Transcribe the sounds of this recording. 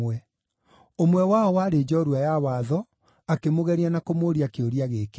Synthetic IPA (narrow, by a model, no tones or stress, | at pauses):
wɛ | omwɛwaɔwaɾed͡ʒɔɾuajawaːðɔ | akemoɣɛɾianakomoːɾiakeoɾiaɣeke